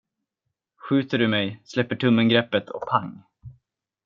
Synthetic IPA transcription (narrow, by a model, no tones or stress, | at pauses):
ɧʉ̟ːt̪əɖɵmɛjslɛpːəʈʰɵmːənɡɾɛpːət̪ʰɔ̰k̚pʰaŋː